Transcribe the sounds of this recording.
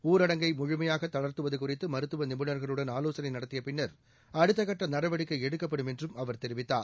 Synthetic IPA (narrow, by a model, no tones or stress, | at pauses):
uːɾɐɽɐŋɡɐɪmʊɻʊmɐjaːɣɐt̪ːɐɭɐɾt̪ɯʋɐðɯkʊrɪt̪ːɯmɐɾɯt̪ːɯʋɐnɪmɯnɐɾɣɐɭɯɽɐnaːloːsɐnɐɪnɐɽɐt̪ːɪjɐpɪɳːɐɾ | ɐɽɯt̪ːɐkɐʈːɐnɐɾɐʋɐɽɪkːɐɪɛɽɯkːɐpːɐɽɯmɛndrɯmɐʋɐɾt̪ɛɾɪʋɪt̪ːa̰ːɾ